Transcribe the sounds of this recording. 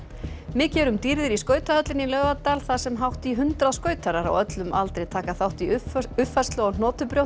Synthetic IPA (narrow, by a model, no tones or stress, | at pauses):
mɪːcɛːɾʏmt̪iɾðɪɾiskœːɥt̪aœt̪lɪnilœːɣvat̪alθasɛmɦawht̪iɦʏnt̪ɾaðskœːɥt̪ʰaɾaɾa̰wœt̪lʏmʔalt̪ɾejt̪ʰaːkaθawht̪iʏfḁst̪lɔːɣnnɔːt̪ʏpɾjowht̪